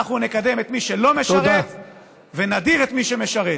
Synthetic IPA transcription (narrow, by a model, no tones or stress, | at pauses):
aχunekad̪e̞met̪miʃelo̞meʃaet | venadiʁet̪miʃe̞me̞ʃaʁe